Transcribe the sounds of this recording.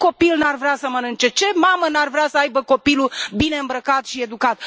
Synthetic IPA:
ko̞pilnarvɾeasəmənɨnt͡ʃe̞t͡ʃe̞mamənarvɾeasəajbəko̞pilubine̞ɨmbɾəkat̪ʃie̞d̪ukat̪̚

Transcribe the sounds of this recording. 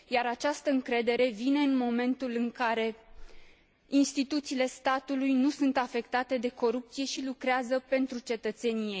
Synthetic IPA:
jaɾat͡ʃast̪əɨŋkɾe̞d̪e̞ɾe̞vine̞ɨnmo̞me̞nt̪ulɨŋkaɾe̞ | inst̪it̪ut̪siːle̞st̪at̪ulujnusunt̪afe̞kt̪at̪e̞d̪e̞ko̞ɾup̚t̪sije̞ʃilukɾeazəpe̞nt̪ɾut͡ʃe̞t̪ət̪se̞nijejj

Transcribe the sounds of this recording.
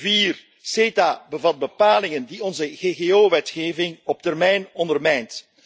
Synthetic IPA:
viːr | seːtaːbəvɑt̚bəpaːlɪŋəndiɔnzəɣeːɣeːoːʋɛtxeːvɪŋɔp̚tɛrmɛjnɔndərmɛjnt

